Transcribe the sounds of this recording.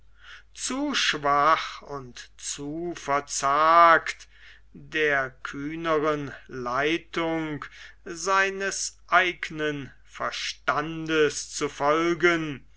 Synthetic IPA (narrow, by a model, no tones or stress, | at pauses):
t͡suːʃv̥aχʊntt͡suːfɛɐt͡saːkt | d̥eːɐkʰyːnəʁənlaɪtʊŋkzaɪnəsʔaɪɡnən | fɛɐʃtandəst͡sufɔlɡən